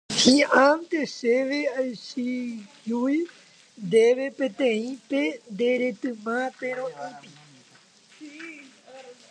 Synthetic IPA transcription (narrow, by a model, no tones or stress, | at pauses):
hĩãmt̪eseʋeajsijuj̪ | d̪eʋepẽt̪ẽĩpend̪eɾet̪ɨ̃mãpeɾõʔãt̪i